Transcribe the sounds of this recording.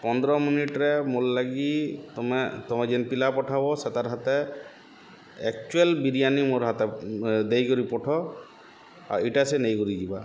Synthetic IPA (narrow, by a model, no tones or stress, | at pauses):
pɔnd̪ɾɔminiʈɾɛmolːaɡit̪ɔmɛt̪ɔmad͡ʒɛnpilapɔʈʰabɔsɛt̪aɾɦat̪ɛ | ɛk̚t͡ʃuelbiɾijanimoɾɦat̪ɛd̪ejkɔɾipɔʈʰɔ | a̰ɾiʈasɛnejɡuɾid͡ʒiba